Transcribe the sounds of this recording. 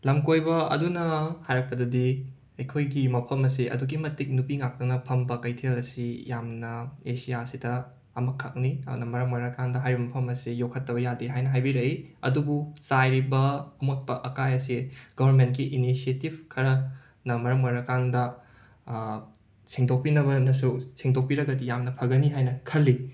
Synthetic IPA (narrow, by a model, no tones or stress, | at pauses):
lɐmkojbɐɐ̰dunɐhajɾɐk̚pɐdɐdi | ɐjkʰojɡimɐpʰɐmɐsiʔɐ̰duɡimɐtik̚nupiŋak̚tɐŋnɐpʰɐmbɐkɐjtʰelɐsijamnɐesijasidɐː | mɐkʰːak̚niɐnɐmɐɾɐmmɐɾɐkandɐɦajɾibɐmɐpʰɐmɐsijokʰːɐtːɐbɐjadiɦajnɐɦajbiɾɐiɐ̰dubusajɾibɐumɐk̚pɐʔɐkajɐsiɡ̥ɐbʱɐɾment̚kiʔinisietibkʰɐɾɐ | nɐmɐɾɐmmɐɾɐkandɐ | siŋtok̚pinɐβɐnɐsusiŋdok̚piɾɐɡɐdijamnɐpʰɐɡɐniɦajnɐkʰɐlːi